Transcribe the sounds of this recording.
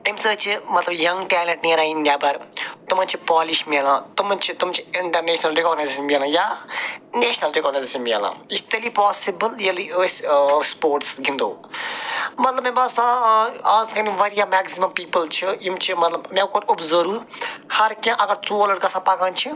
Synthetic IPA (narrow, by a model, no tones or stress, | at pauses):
imsəːt͡ʃʰimɐt̪lɐbjɐŋɡʈɛːlɐ̃ɳʈniːɾaːĩnd̪ʲjaːbɐɾt̪umɐ̃nt͡ʃʰipaːliʃmilãːt̪ʊmɐ̃nt͡ʃʰit̪ʊmt͡ʃʰiɪɳʈɐɾneːʃnɐlɾikɔːɡneːsʃɐmilãːja | neːʃnɐlɾikɔːɡnesisɐmʲɐlã̰ːist̪ɐliːpaːsibəljilisspoːɾʈsɡʱĩnd̪o̰ː | mɐt̪lɐbmẽbɐsãaːzkɐnĩʋɐɾijamɛːksimɐmpiːpəlt͡ʃʰiimt͡ʃʰimɐt̪lɐbmẽkoːɾubzɐɾuːɾhɐɾkãʔɐɡɐɾt͡suːələɽkɐsãːpɐkãːnt͡ʃʰi